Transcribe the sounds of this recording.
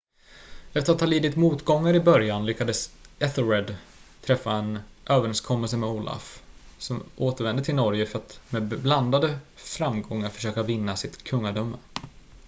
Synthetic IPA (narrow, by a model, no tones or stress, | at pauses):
ɛft̪əɾat̪ʰːɑːliːd̪ɪt̪muːt̪ɡɔŋːaɾɪbœɾjanlʏkːad̪əsʔɛθəɾɛd̪ | t̪ʰɾɛfːaɛnʔøːvəɾɛnskʰɔmːɛls̬əmɛuːlʔa̰fsɔmʔoːt̪əɾvɛnd̪ət̪ʰɪlnɔɾjəfœɾat̪mɛbland̪ad̪əfɾamɡɔŋːaɾfœ̥ʂøːkavɪnːasɪt̪kʰɵŋːaɖœmːə